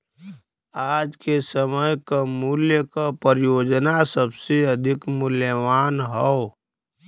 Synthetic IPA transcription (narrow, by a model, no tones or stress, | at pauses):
aːd͡ʒkesəməjkamuːljəkapəɾɪjoːd͡ʒnasəbseəd̪ʱɪkmʊljəmaːnɦɔo